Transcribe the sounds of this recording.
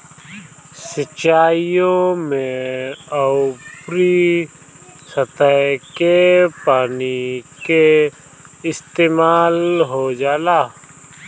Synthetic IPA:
sət͡ʃːaːijõmẽəʊpɾi | sət̪əjkepaːnike | ɪst̪eːmaːlɦod͡ʒaːlaː

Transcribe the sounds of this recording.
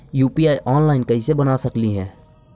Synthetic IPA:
juːpiaːjʔɔːnlaːɪnkɐɦisebənaːsɐkliɦɛː

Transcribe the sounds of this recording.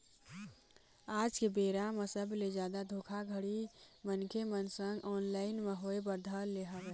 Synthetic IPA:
aːd͡ʒkebeːɾamesəbled͡ʒjaːd̪ad̪ʱoːkʰaɡʱəɽimənkʰemənsə̃ŋɡɔːnlaːɪnmeɦoebəɾd̪ʱəlːeɦəʋe

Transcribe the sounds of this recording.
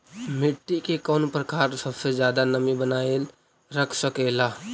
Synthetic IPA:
mɪʈːikekɔːnpɾəkaːɾsəbsed͡ʒjaːd̪anəmĩbənaːel | ɾəkʰsəkeːlaː

